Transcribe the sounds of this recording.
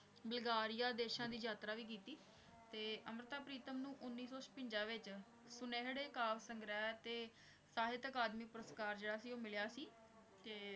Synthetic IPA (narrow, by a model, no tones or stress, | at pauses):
bɪlɡaːɾɪjaːd̪eːʃãːd̪iːd͡ʒaːt̪ɾaːʋiːk̬iːt̪iː | t̪eːʔəmɾət̪aːpɾiːt̪əmnũːʔʊnːiːsɔːspə̃ɲd͡ʒãːʋɪt͡ʃ | sʊneːɦɽeːkaːʋsəŋɡɾɛːt̪eː | saːɦɪt̪əkaːd̪miːpʊɾəskaːɾd͡ʒeːɽaːsiːoːmɪljaːsiː | t̪eː